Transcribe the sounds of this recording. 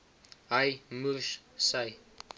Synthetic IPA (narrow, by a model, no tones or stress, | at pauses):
ajmuʃsaj